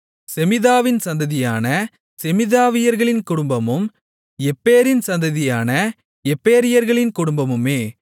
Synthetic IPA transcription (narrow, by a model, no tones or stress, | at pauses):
sɛmɪðaːʋɪnsɐnd̪ɐðɪjaːnɐ | sɛmɪðaːʋɪjɐɾɣɐɭɪnkʊɽʊmbɐmɯm | ɛpːeːɾɪnsɐnd̪ɐðɪjaːnɐ | ɛpːeːɾɪjɐɾɣɐɭɪnkʊɽʊmbɐmɯmeː